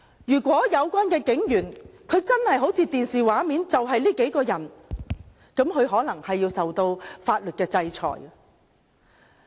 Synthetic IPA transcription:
jyː˨˩kʷɔː˨˥jɐ˨˧wkʷaː˥nkɛː˧kɪ˨˥ŋjyː˨˩nkʰɵ˨˧ɥt͡sɐ˥nhɐ˨jɦo˨˥wt͡sʰiː˧t̪iː˨nsiː˨˩waː˨˥miː˨˥nt͡sɐ˨wɦɐ˨jliː˥ke˨˥jkɔː˧jɐ˨˩n | kɐ˨˥mkʰɵ˨˧ɥɦɔː˨˥lɐ˨˩ŋhɐ˨jːiː˧wt͡sɐ˨wt̪o˧wfaː˧t̚lɵ˨t̚kɛː˧t͡sɐ˧jt͡sʰɔ̰ː˨˩j

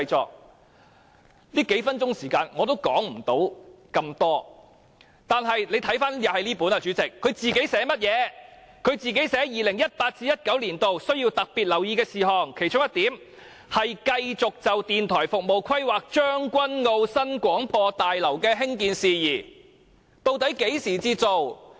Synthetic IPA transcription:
jt͡sɔ̰ː˨k̚ | liː˥ke˨˥jfɐ˥nt͡ʃʊ˥ŋsiː˨˩kaː˧nŋɔː˨˧t̪o˥wkɔ̰ː˨˥ŋm̩˨˩t̪o˨˥w | kɐ˧mt̪ɔː˥ | t̪aː˨nɦɐ˨jle˨˧jt̪ʰɐ˨˥jfaː˥njɐ˨˩hɐ˨jliː˥puː˨˥naː˧t͡ʃyː˨˥t͡sɪ˨kʰːɵ˨˧ɥt͡siː˨ke˨˥jsɛː˨˥mɐ˥t̚jɛː˨˧kʰɵ˨˧ɥt͡siː˨˩ke˨˥jsɛː˨˥jiː˨lɪ˨˩ŋjɐ˥t̚paː˧t̚t͡siː˥jɐ˥t̚kɐ˨˥wliː˨˩nt̪o˨wsɵ˥ɥjiː˧wt̪ɐ˨k̚piː˨t̚lɐ˨˩wjiː˧kɛː˧siː˨˩ɦɔː˨˩ŋkʰe˨˩jt͡ʃʊ˥ŋjɐ˥t̪iː˨˥m | hɐ˨jkɐ˧jt͡sʊ˨k̚t͡sɐ˨wt̪iː˨nt̪ʰɔː˨˩jfʊ˨k̚mo˨wkʰɐ˥jwaː˨k̚t͡ʃœː˥ŋkʷɐ˥nŋo˧wsɐ˥nkʷɔː˨˥ŋpɔː˧t̪aː˨jlɐ˨˩wkɛː˧ɦɪ˥ŋkiː˨nsiː˨jiː˨˩ | t̪o˧wt̪ɐ˨˥jke˨˥jsiː˨˩t͡siː˧t͡so˨w

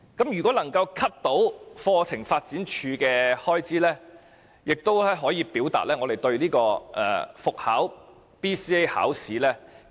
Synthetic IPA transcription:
kɐ˨˥mjyː˨˩kʷwɔː˨˥lɐ˨˩ŋkɐ˧wkʰɐ˥p̚t̪o˨˥wfɔː˧t͡sʰɪ˨˩ŋfaː˧t̚t͡siː˨˥nt͡ʃʰyː˨˧kɛː˧hɔː˥jt͡siː˨˥lɛː˥ | jɪ˨k̚t̪o˥wlɛ˥ɦɔː˨˥jiː˧piː˨˥wt̪a̰ː˨t̚lɛː˥ŋɔː˨˧e˨jt̪ɵ˧ɥniː˥kɔː˧ʔɛ̰ː˨˩fʊ˨k̚ha̰ː˨˥w | piː˥siː˥e˥jha̰ː˨˥wsiː˨˥lɛː˥

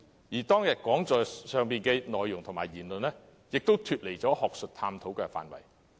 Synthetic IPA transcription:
jiː˨˩t̪ɔː˥ŋjɐ˨t̚kɔː˨˥ŋt͡sɔː˨jsœː˨˩ŋpiː˨nkɛː˧nɔː˨jːʊ˨˩ŋt̪ʰʊ˨˩ŋmaː˨˩jiː˨˩nlɵ˨nɛː˥ | jɪ˨k̚t̪o˥wt̪ʰyː˨t̚le˨jt͡sɔː˨˥hɔː˨k̚sɵ˨t̚t̪ʰaː˧mt̪ʰo˨˥wkɛː˧fa̰ː˨˩nwɐ̰˨˩j

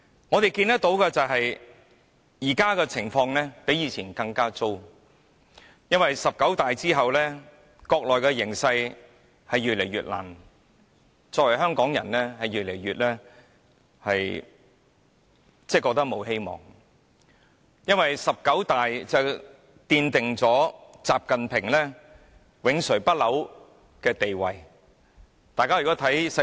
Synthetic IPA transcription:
ŋɔː˨˧t̪e˨jkiː˧nt̪ɐ˥k̚t̪o˨˥wkɛ˧t͡sɐ˨wɦɐ˨j | jiː˨˩kaː˥kɛː˧t͡sʰɪ˨˩ŋfɔː˧ŋlɛː˥pe˨˥jiː˨˧t͡sʰiː˨˩nkɐ˧ŋkaː˥t͡so˥w | jɐ˥nwɐ˨jsɐ˨p̚kɐ˨˥wt̪aː˨jt͡siː˥ɦɐ˨wlɛː˥ | kɔː˧k̚lɔː˨jkɛː˧jɪ˨˩ŋsɐ˧j | hɐ˨jɥyː˨t̚le˨˩jɥyː˨t̚la̰ː˨˩n | t͡sɔː˧kwɐ˨˩jɦœː˥ŋkɔː˨˥ŋjɐ˨˩nɛː˥hɐ˨jɥyː˨t̚le˨˩jɥyː˨t̚lɛː˥ | hɐ˨j | t͡sɛː˥˩kɔː˧k̚t̪ɐ˥k̚mo˨˧wɦe˥jmɔ̰ː˨˩ŋ | jɐ˥nwɐ˨jsɐ˨p̚kɐ˨˥wt̪aː˨jt͡sɐ˨ | t̪iː˧nt̪ɪ˨ŋt͡sɔː˨˥t͡saː˨p̚kɐ˨npʰɪ˨˩ŋlɛː˥ | wɪ˨˥ŋsɵ˨˩ɥpɐ˥t̚lɐ˨˥w | kɛː˧t̪e˨jwɐ˨j | t̪aː˨jkaː˥jyː˨˩kɔː˨˥t̪ʰɐ˨˥js

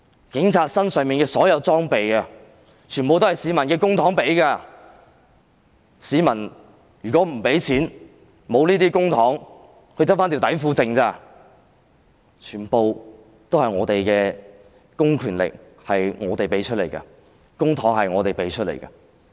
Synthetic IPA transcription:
kɪ˨˥ŋt͡sʰaː˧t̚sɐ˥nsœː˨˧ŋmiː˨nkɛː˧sɔː˨˥jɐ˨˧wt͡sɔː˥ŋpe˨jkɐ˧ | t͡ʃʰyː˨˩npo˨wt̪hɐ˨jsiː˨˧˥mɐ˨˩nkɛː˧kʊ˥ŋt̪ʰɔː˨˥ŋpe˨˥jkaː˧ | siː˨˧mɐ˨˩n | jyː˨˩kɔː˨˥m̩˨˩pe˨˥jt͡sʰiː˨˥n | mo˨˧wniː˥t̪iː˥kʊ˥ŋt̪ʰɔː˨˥ŋ | hɵ˧jt̪ɐ˥faː˥nt̪i˨˧wt̪ɐ˨˥jfuː˧t͡sɪ˧ŋt͡saː˧ | t͡ʃʰyː˨˩npo˨˧w | t̪o˥whɐ˨jŋɔː˨˧t̪e˨jkɛː˧ | kʊ˥ŋkʰyː˨˩nlɪ̰˨k̚ | hɐ˨jŋɔː˨˧t̪e˨jpe˨˥jt͡ʃʰɵ˥t̚lḛ˨˩jkɐ̰˧ | kʊ˥ŋt̪ʰɔː˨˥ŋhɐ˨jŋɔː˨˧t̪e˨jpe˨˧jt͡ʃʰɵ˥t̚lḛ˨˩jkɐ˧˥

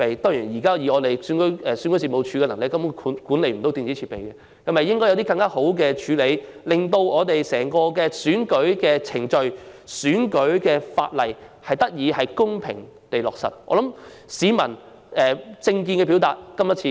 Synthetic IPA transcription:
e˨jt̪ɔː˥ŋjiː˨˩njiː˨˩kaː˥jiː˨˧ɔː˨˧t̪e˨jsy˨˥nkɵ˨˥ɛː˨syː˨˥nkɵ˧˥s̬iː˨mo˨˧wt͡ʃʰyː˨˧kɛː˧lɐ˨˩ŋlɪ˨kːɐ˧˥m˥kʰːnkuː˨˥nle˧jm̩˨˩t̪o˨˥wt̪iː˨nt͡si˨˥t͡sʰi˧pe˨jkɛ˧ | kɐ˨˥mɐ˨˩jɪ˥ŋkɔː˥jɐ˧t̪i˥kɐ˧ŋkaː˥ho˨˥wk̬ɛː˧t͡ʃʰyː˨˧le˨˧jlɪ˨ŋt̪o˧wɔː˨˧t̪e˨jsɛː˨˩ŋkɔː˧kɛː˧syː˨˥nkɵ˨˥ɥkɛː˧t͡sʰɪ˨˩ŋt͡ʃɵ˨˧ɥsyː˨˥nkɵ˨˥ɥkɛː˧fa̰ː˧t̚lɐ˨jhɐ˨jt̪ɐ˥k̚jiː˨˧hɐ˨jkʊ˥ŋpʰɪ̰˨˩ŋ | t̪e˨jlɔ̰ː˨k̚sɐ̰˨˩t̚ʔɔ̰ː˧lɐ˨˥m | siː˨˧mɐ˨˩n | ɛː˨t͡sɪ˧ŋk̬i˧nkɛ˧p̬i˨˥wt̪aː˨t̚kɐ˥mjɐ˥t͡sʰiː˧

